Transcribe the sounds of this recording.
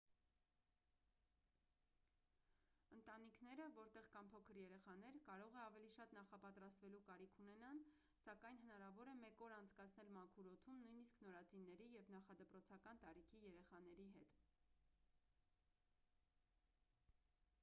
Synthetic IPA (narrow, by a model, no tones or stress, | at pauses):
ənt̪ɑnikʰnɛɾəvɔɾt̪ɛʁkɑmpʰɔkʰəɾjɛɾɛχɑn̪ɛɾkɑɾɔʁɛɑvɛliʃɑt̪nɑχɑpɑt̪ɾɑst̪vɛlukɑɾikʰunɛnɑn | sɑkɑjnɦənɑɾɑvɔɾɛmɛkɔɾɑnt͡sʰkɑt͡sʰnɛlmɑkʰuɾɔt̪ʰumnujniskʰnɔɾɑt͡sinːɛɾijɛvnɑχɑd̪əpɾɔt͡sʰɑkɑnt̪ɑɾikʰijɛɾɛχɑnɛɾiɦɛt̪